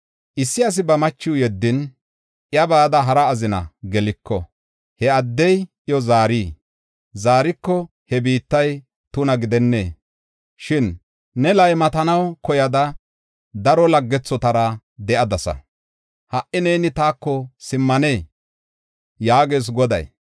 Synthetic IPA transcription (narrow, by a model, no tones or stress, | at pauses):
ʔɪsːɪɐs̬ɪbɐmɐt͡ʃːɪwjɛd̪ːɪn | ʔjɐbaːd̪ɐɦɐɾɐːzɪnɐ̰ɡɛlɪkːɔ | hɛɐd̪ːɛj | ɪjɔzaːɾiː | zaːɾɪkːɔ | hɛbiːt̪ːɐj | t̪ʊnɐɡɪd̪ɛnːḛː | ʃɪnː | ɛlɐjmɐt̪ɐnɐwkɔjɐd̪ɐ | d̪ɐɾɔlɐɡːɛt͡sːɔt̪ɐɾɐ | d̪ɛʔɐd̪ɐsɐ̰ | hɐʔɪneːnɪt̪aːkːɔsɪmːɐne̞ː | jaːɡeːs̬ɡɔd̪ɐ̰j